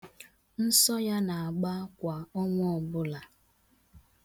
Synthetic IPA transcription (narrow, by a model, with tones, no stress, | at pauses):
n̩˦sɔ˦ja˦na˨a˨ɡ͡ba˦kʷa˨ɔ˦ŋʷ˦ɔ˨bʊ˦la˨